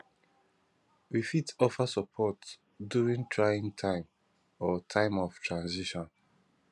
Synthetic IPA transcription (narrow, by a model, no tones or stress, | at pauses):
wifitɔfasɔpʰɔt | djuɹĩŋtʰɹajĩŋtʰãɪ̃m | ɔtʰãɪ̃mɔftʰɹãnziʃɔ̃n